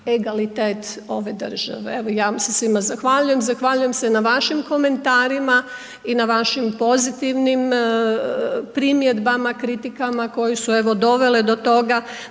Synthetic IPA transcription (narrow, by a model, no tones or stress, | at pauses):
eɡalit̪eːt̪o̞ʋe̞d̪ər̩ʒ̥a̰ʋḛeʋojaːsesʋimazaxʋaʎuje̞mzaxʋaʎuje̞msenaʋaʃimko̞me̞nt̪aːɾima | inaʋaʃimpo̞zit̪iʋnim | pɾimje̞d̪bamakɾit̪ikamako̞jesue̞ʋo̞d̪o̞ʋe̞led̪o̞t̪o̞ɡa